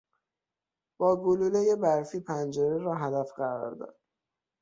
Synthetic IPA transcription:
b̥ɒːɡolulejebæɾfiːpʰænd͡ʒeɾeɾɒːɦæd̪æfɢæɾɒ̰ːɾd̪ɒ̰d̪̥

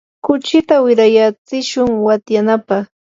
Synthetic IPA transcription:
kʊt͡ʃɪt̪awɪɾajat͡sɪʃʊŋwat̪janapɑχ

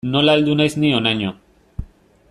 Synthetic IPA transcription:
no̞laeld̪unajznionaɲo

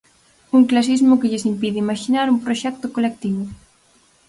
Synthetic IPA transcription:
uŋklas̬izmʊkɪʎɪsimpiðɪimaʃinaɾumpɾoʃɛk̚t̪ʊkolek̚t̪iβʊ

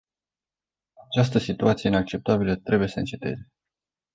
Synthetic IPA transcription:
at͡ʃast̪əsit̪uat̪sijeinak̚t͡ʃe̞p̚t̪abilət̪ɾe̞buje̞səɨnt͡ʃe̞t̪e̞̰ze̞

